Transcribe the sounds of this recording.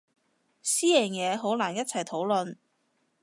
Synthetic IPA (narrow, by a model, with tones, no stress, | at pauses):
siː˥jɛː˨˩njɛː˨˧ɦo˨˥wlaː˨˩njɐ˥t̚t͡sʰɐ˨˩jt̪ʰo˨˥wlɵ˨˧n